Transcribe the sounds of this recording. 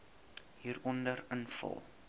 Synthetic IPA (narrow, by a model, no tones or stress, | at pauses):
ɦiːɾɔndəɾənfə̰lˠ